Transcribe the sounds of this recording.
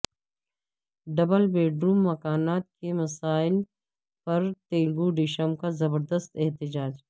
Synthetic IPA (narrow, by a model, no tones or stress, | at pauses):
ɖɐbəlbeːɖɾuːmːɐkaːnaːt̪̚kemɐsaːɪl | pɐɾt̪eːlɡuɖɪʃəmkazɐbəɾd̪əst̪eɦt̪ɪd͡ʒaːd͡ʒ